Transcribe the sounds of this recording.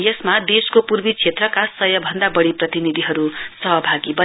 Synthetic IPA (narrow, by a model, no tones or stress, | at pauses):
jʌsmad̪eskopurbit͡sʰet̪rʌkasʌjʌbʱʌnd̪abʌɽiprʌt̪inid̪ʱiɦʌɾusʌɦʌbʱaɡibʌ